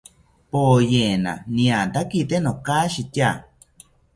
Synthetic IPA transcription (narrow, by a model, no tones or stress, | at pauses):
pojena̰nĩat̪akit̪enokaʃit̪ʲja